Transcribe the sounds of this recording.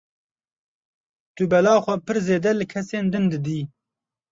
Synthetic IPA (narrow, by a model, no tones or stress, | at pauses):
t̪ubɛlɑːxʷɐpɨɾzeːd̪ɛlɨkʰɛseːnd̪ɨnd̪ɨd̪iː